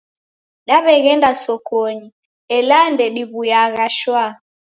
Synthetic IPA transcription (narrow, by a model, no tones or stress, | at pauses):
ɗaβɛɣɛndasɔkɔɲi | ɛlandɛɗiβujaɣaʃwa